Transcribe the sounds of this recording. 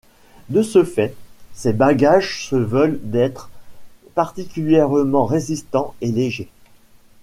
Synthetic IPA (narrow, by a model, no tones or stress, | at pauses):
d̪əsəfɛsɛbaɡaʒsəvœld̪ɛt̪χpaʁt̪ikʲyljɛʁmɑ̃ʁezist̪ɑ̃eleʒe